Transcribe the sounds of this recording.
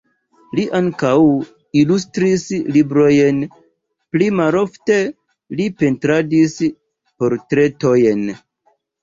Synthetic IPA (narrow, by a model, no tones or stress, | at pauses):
liʔaŋkaw | ilustɾislibɾo̞jen | plimalo̞fte̞ | lipe̞ntɾadis | po̞ɾtɾe̞to̞jen